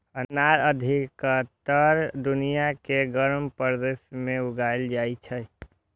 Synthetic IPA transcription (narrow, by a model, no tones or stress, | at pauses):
ənaɾəd̪ʱikət̪əɾd̪unijakeɡəɾmpɾd̪esmẽuɡaeld͡ʒait͡ʃʰə